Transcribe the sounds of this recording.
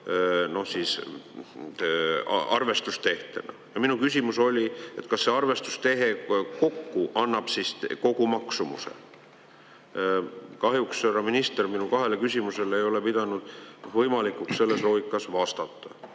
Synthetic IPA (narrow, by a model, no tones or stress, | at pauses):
no̞hsiːs | ɑ̰rve̞st̪ust̪e̞ht̪e̞̰nɑ̰jɑminukysʲimuso̞lʲie̞t̪ːˑkɑsːe̞ɑrve̞st̪u̥st̪e̞ɦe̞ko̞kːuʔɑnːɑb̥sist̪ko̞ɡ̥umɑksumṵsḛ | kɑɦjuksørɑminist̪e̞rminukɑɦe̞lekysʲimuse̞lejo̞le̞pid̪̥ɑnud̪̥vɤjmɑlikːˑuksse̞lːe̞slo̞ːɡikːˑɑsvɑst̪ɑt̪ːɑ